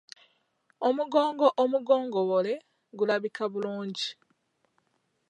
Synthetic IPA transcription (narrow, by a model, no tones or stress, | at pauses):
omuɡo̞ːŋɡoʔomuɡo̞ːŋɡoβole̞ | ɡulaβikaβuluːɲɟi